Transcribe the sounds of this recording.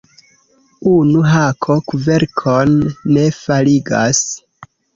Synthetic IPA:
unuɦakʰokuve̞ɾkʰonːe̞faliɡa̰s

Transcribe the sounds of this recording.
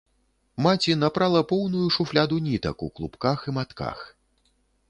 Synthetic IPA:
mat͡sʲinapɾalˠɐpɔwnujuʂuflʲad̪unʲit̪ɐ̰kṵklˠṵpkaximat̪ka̰x

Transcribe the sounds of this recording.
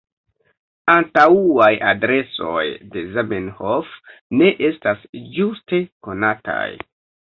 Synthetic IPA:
antauajadɾe̞so̞̰jde̞zamenhofne̞ʔe̞stasd͡ʒuste̞ko̞nata̰j

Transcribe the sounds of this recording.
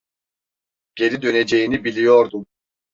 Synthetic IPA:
ɟ̥e̞lid̪øned͡ʒe̞jinibilʲijoɾd̪um

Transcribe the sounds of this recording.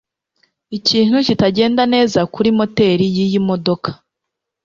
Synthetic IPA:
iciːn̥hucitaɟe̞ːndane̞ːzakuɾimo̞te̞ːɾijijimo̞do̞kʰḁ

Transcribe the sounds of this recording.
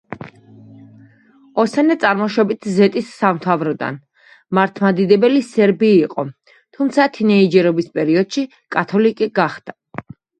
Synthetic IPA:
ɔsɛnɛt̪sʼaɾmɔʃɔbit̪ʰzɛt̪ʼisːamt̪ʰavɾɔd̪a̰n | maɾt̪ʰmad̪id̪ɛbɛlisɛɾbiːqʼɔ | t̪ʰumt̪sʰat̪ʰinɛid͡ʒɛɾɔbispʼɛɾiɔd̪̥ʃi | kʼat̪ʰɔlikʼiɡaχd̪̥a

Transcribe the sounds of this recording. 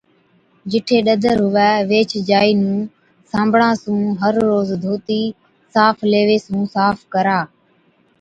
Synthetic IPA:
d͡ʒɪʈʰeːɗəd̪ʱəɾɦʊʋɛːʋeːt͡ʃʰd͡ʒaːiːnũː | sãːmbʱɽãːsũːɦəɾːoːzd̪ʱoːt̪iː | saːfʰleːʋeːsũːsaːfʰkəɾaː

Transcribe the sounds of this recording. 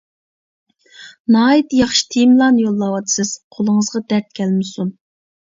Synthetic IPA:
nɑːit̪jɑχʃi̥t̪ʰemlˠɑnjolˠːɑwɑd̪ɨ̥sɪz̥qʰolˠəŋəzʁɑd̪æɾt̪̚kʲʰɛlmɪsun

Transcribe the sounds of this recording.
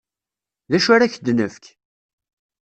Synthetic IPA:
ðæʃaɾaçd̪nəfk

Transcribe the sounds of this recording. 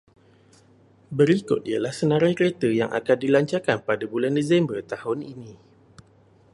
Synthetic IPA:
bəɾikʊt̪̚ialahsənãɾajkɾet̪əjaŋʔa̰kandilaɲt͡ʃarkanpadabulandezɛmbərt̪ahʊninĩ

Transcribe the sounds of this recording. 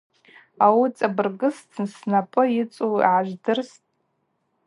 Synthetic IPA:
awut͡sʼabɨrɡɨstʰɨnsnapʼɨjɪt͡sʼuḭʕaʒʷdɨrstʼ

